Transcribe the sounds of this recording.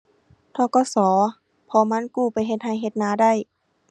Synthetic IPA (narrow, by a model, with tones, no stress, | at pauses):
t̪ʰɔː˧˩kɔː˧˩sɔː˩˦ | pʰɔː˧˦ma˧˥˨nkuː˧˩pa˨jɦe˧˦t̪̚ha˧˩jɦe˧t̪̚naː˧˦da˥˩˨j